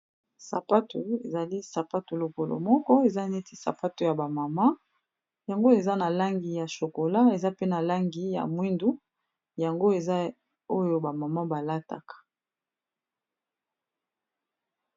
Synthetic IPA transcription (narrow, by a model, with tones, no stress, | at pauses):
sa̰˨pa˦tu˨ḛ˨za˨li˦sa˨pa˦tu˨lo˨ko˨lo̰˨mɔ˦kɔ˦e˨za˦ne˦ti˦sa̰˨pa˦tu˨ja˨ba˨ma˨ma˦ | ja˨ŋɡo˦e˨za˦na˨la˦ŋɡi˨ja˨ʃo˨ko˨la˦e˨za˦pe˦na˨la˦ŋɡi˨ja̰˨mwi˦ndu˦ | ja˨ŋɡo˦e˨za˦ | o˦jo˦ba˨ma˨ma˦ba˨la˦ta̰˨kḁ˨